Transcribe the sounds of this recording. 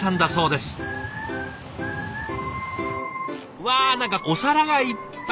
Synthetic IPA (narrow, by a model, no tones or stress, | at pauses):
ãnd̪aso̞ːd̪e̞sɨ̥ | βaːnãŋkako̞saɾaɡaipː